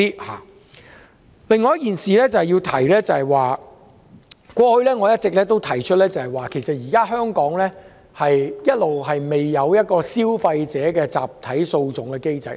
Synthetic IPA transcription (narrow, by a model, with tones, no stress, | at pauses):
i˥ha̰ː˨˩ | lɪ˨˧ŋːɔː˨jɐ˥t̚kiː˨nsiː˨˧lɛː˥t͡sɐ˨hɛ˨jiː˧wt̪ʰɐ˨˩jlɛː˥t͡sɐ˨hɐ˨jwaː˨ | kʷɔː˧hɵ˧ɥlɛː˥ŋɔː˨˧jɐ˥t̚t͡sɪ˨k̚lɛː˥t̪o˥wt̪ʰɐ˨˩jt͡ʃʰɵ˥t̚lɛː˥t͡sɐ˨hɐ˨˩jwaː˨kʰe˨˩jsɐ˨t̚jiː˨˩kaː˥ɦœː˥ŋkɔː˨˥ŋlɛː˥ | hɐ˨jjɐ˥t̚lo˨whɐ˨jme˨jːɐ˨˧wjɐ˥t̚kɔː˧siː˥wfɐ˧jt͡sɛː˨˥kɛː˧t͡sa̰ː˨p̚t̪ʰɐ˨˥jso˧wt͡sʊ˨ŋkɛ˧ke˥jt͡sɐ̰˨j